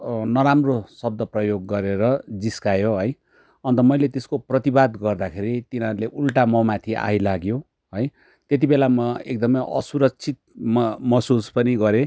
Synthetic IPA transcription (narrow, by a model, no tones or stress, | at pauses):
nʌɾamrosʌb̚d̪ʌprʌjoɡːʌɾeɾʌd͡ziskajoɦʌj | ʌnt̪ʌmʌjlet̪eskoprʌt̪ibad̪ɡʌrd̪akʰeɾit̪inʌɾuleʔulʈamʌmat̪ʰiʔa̰jlaɡjo | ɦʌj | t̪jet̪ibelamʌek̚d̪ʌmʌjʔʌ̰suɾʌk̚t͡sʰit̪̚mmʌsuspʌniɡʌɾe